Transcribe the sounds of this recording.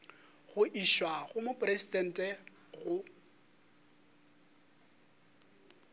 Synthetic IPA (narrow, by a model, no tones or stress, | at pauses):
ɣʊʔiʃwaɣʊmʊpʼrɛsidɛn̩tʼɛ | ɣʊ